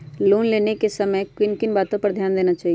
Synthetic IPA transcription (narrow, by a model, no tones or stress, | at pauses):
loːnleːnekesɐməjkɪnkɪnbaːt̪õpɐɾd̪ʱjaːnd̪eːnat͡ʃaːɦie